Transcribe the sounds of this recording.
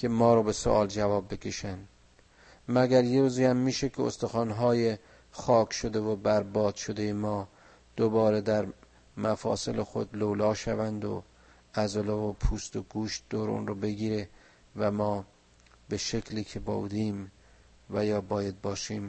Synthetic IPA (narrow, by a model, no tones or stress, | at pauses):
kʰe̞mɒːɾɒːbe̞so̰ʔɒːld͡ʒævɒːbːe̞kʲʰe̞ʃæn | mæɡæɾjeɾuːziːhæmːiːʃekʰeo̰st̪oxɒːnɦɒːje | xɒːkʰʃod̪e̞vobæɾbɒːd̪̥ʃod̪e̞jemɒː | d̪̥obɒːɾed̪æɾ | mæfɒ̰ːselexo̰d̪lowlɒːʃævænd̪o̰ | ʔæzolɑvopʰuːst̪oɡuːʃt̪̚d̪oːɾṵnɾobe̞ɡiːɾe | væmɒː | be̞ʃekʰliːkʰe̞bo̰ṵd̪iːm | væjɒːbɒːjæd̪̚bɒːʃiːm